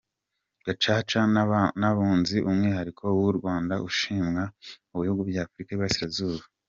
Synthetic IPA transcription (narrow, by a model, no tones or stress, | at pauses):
ɡ̥at͡ʃaːt͡ʃanaβuːnziʔumŋiːhaɾikʰo̞wuɾɡwaːndaʔuʃiːmŋa | uβihuɡubɟaːfuɾikaiβasiɾazuːβa